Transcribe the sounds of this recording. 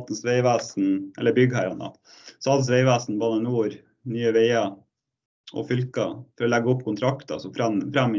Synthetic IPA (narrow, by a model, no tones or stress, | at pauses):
t̪nsʋeɪʋæːsn̩ʔɛ̰lːəbʏɡhæːɾɑnɑ̰t̪ | sɔɑlt̪n̩sʋeɪʋæːsn̩bɑːnənuːɾ | nyːəʋeɪɑ | ʔɔ̰fʏlkɑ̰fɔɾɔlɛɡəʊpːkʰʊnt̪ʰɾɑkt̪ɑ̰sɔfɾɛmfɾæmː